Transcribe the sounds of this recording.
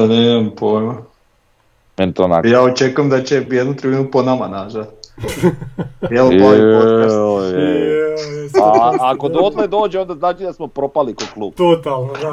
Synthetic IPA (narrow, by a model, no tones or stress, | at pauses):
aneimampoejma | mɛnit̪ona̰jaːot͡ʃe̞kujemd̪at͡ɕe̞jed̪nut̪ɾebinuponamanaʒat̪ | jelaioasoe | aakod̪od̪led̪o̞ːd͡ʒeond̪aznaːt͡ʃid̪asmopɾopalikoklˠuːb̪ot̪aln